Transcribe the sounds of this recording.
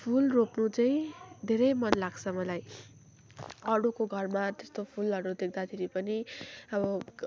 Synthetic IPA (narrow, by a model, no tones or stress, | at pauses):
pʰulropnut͡saĩd̪ʱeɾʌjmʌnlaɡt͡sʰʌmʌlaj | ʌɽukoɡʱʌrmat̪est̪opʰulʌɽud̪ek̚ʰd̪at̪ʰeɾipʌniʌbʌ